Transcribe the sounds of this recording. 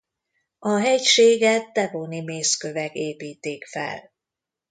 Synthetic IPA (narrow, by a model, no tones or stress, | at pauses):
ɒɦɛcʃeːɡɛt̪ːɛvoːnimeːskøvɛkeːpiːt̪ːeːkfɛ̰l